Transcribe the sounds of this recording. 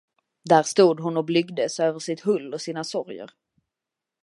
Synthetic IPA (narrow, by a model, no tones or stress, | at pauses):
d̪æːɾʂt̪uːd̪ɦʊnɔblʏɡd̪əsøːvəʂɪt̪hɵlːɔsiːnasɔɾjə̰ɾ